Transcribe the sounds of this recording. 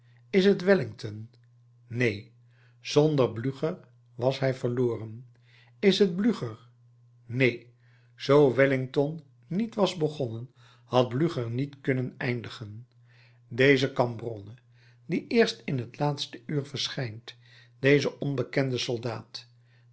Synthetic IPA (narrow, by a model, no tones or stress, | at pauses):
ɪsətʋɪlɪŋtʰɔnː | ej | z̥ɔndəɹblyχəɹ | ʋɑsɦɛjvəɹloːrən | ɪsɦəd̚blyχəɹ | nej | z̥owʋɛlɪŋtɔnː | itʋɑzbəχɔnən | hɑd̚blyχəɹnitkɵnənɛjndəχən | dejzəkɑmbrɔnə | diʔɪːɹstɪnɦətlaːtstəyːɹvəɹsχɛjnt | d̥ejzəʔɔnbəkɛndəsɔlˠdaːt